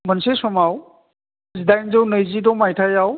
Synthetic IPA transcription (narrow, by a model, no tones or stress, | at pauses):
mɐnsesɔmaw | zidajnzɯwnəjzidɔmajtʰajaw